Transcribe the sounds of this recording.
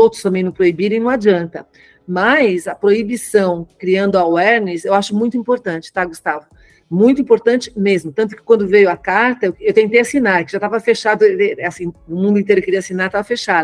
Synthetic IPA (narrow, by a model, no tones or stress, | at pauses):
owt̪ɾʊst̪ɐ̃mbẽj̃nʊ̃pɾoibiɾẽj̃nɐ̃w̃ad͡ʒiɐ̃nt̪ɐ | mɐjzɐpɾoibisɐ̃w̃kɾiɐ̃nd̪ʊawɛɾnɪsewaʃʊmũj̃t̪ʊĩpoɾt̪ɐ̃nt͡ʃɪ̥t̪aɡust̪avʊ | mũj̃t̪ʊĩpoɾt̪ɐ̃nt͡ʃɪ̥mezmʊt̪ɐ̃nt̪ʊ̥kɪkwɐ̃nd̪ʊvejʊɐkaɾt̪ɐewewt̪ẽnt̪ejasinaɾkɪʒat̪avɐfeʃad̪ʊɛasĩʊmũd̪ʊĩt̪ejɾʊewkeɾiɐasinaɾt̪avɐfeʃad̪ʊ